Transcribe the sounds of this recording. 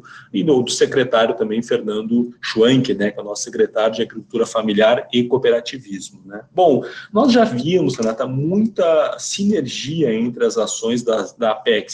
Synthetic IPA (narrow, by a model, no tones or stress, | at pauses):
ɪnowt̪ɾʊsekɾet̪aɾjʊt̪ɐ̃mbẽj̃feɾnɐ̃nd̪ʊʃuɐ̃ŋkɪnɛkɛʊnɔsʊ̥sekɾet̪aɾjʊd͡ʒɪaɡɾikult̪uɾɐfamiliaɾɪkopeɾat͡ʃivizmʊnɛbõw̃nɔzʒaviɐmʊslɐ̃nat̪ɐmũj̃t̪ɐsineɾʒiɐẽnt̪ɾɪɐzasõj̃zd̪ɐd̪ɐpɛks